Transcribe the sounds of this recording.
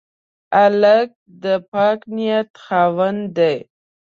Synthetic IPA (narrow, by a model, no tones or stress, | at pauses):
alək̚d̪əpɑknijat̪xɑwənd̪aj